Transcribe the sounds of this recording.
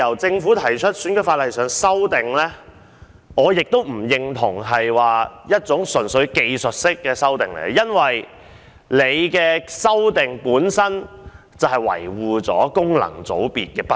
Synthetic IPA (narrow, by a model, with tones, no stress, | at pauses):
jɐ˨˩wt͡sɪ˧ŋfuː˨˥t̪ʰɐ˨˩jt͡ʃʰɵ˥t̚sy˨˥nkɵ˧˥faː˧t̚lɐ˨jsœː˨ŋsɐ˥wt̪ɪ˨ŋlɛː˥ | ɔː˨˧jɪ˨k̚t̪o˥wm̩˨˩jɪ˧ŋt̪ʰʊ˨˩ŋɦɐ˨jwaː˨jɐ˥t̚t͡sʊ˨˥ŋsɵ˨˩nsɵ˨˧˥ɥke˧jsɵ˨t̚sɪ˥kːɛː˧sɐ˥wt̪ɪ˨ŋlḛ˨˩jɡjɐ˥nwɐ˨j | le˨˧jkɛː˧sɐ˥wt̪ɪ˨ŋpuː˨˥nsɐ˥n | t͡sɐ˨˩wɦɐ˨˩jwɐ̰˨˩jwuː˨˧t͡sɔː˨˥kʊ˥ŋlɐ̰˨˩ŋt͡so̰˨˥wpiː˨t̚kɛː˧p